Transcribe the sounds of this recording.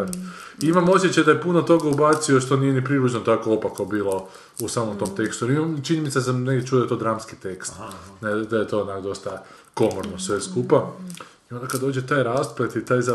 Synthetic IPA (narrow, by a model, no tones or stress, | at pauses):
iimamo̞s̬je̞t͡ɕajd̪ajepunot̪o̞ɡaubat̪sio̞ʃt̪o̞niːje̞nipɾilud͡ʒnot̪akoopakobiːlo̞ | usaːmomt̪o̞mt̪e̞kst̪uɾimamt͡ʃiɲenit̪sesamne̞ɡdʲet͡ʃuːajoet̪od̪ɾamskit̪e̞kstt̪ned̪ajet̪o̞ːonakd̪o̞st̪a | ko̞moɾnosʋe̞skupa | io̞nd̪akad̪oːd͡ʑet̪aːjɾaːspolet̪it̪aːjza